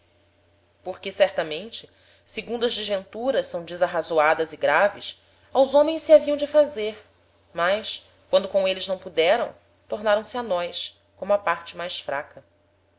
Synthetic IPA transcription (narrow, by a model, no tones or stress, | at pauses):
poɾkɪsɛɾt̪ɐmẽnt͡ʃɪ | seɡũnd̪ʊɐzd͡ʒɪʒvẽnt̪uɾɐʃsɐ̃w̃d͡ʒɪzaɦazoad̪ɐziɡɾavɪ̰s | awzõmẽj̃ssiaviɐ̃w̃d͡ʒɪfazeɾ | majʃ | kwɐ̃nd̪ʊkõw̃elɪznɐ̃w̃pud̪ɛɾɐ̰̃w̃ | t̪oɾnaɾɐ̃w̃sɪanɔjs | kõmʊɐpaɾt͡ʃɪmajsfɾakɐ